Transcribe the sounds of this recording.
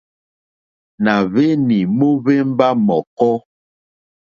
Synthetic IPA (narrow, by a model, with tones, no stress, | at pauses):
na˨ve˦ni˨mo˦βe˦m˦ba˦mɔ˨kɔ˦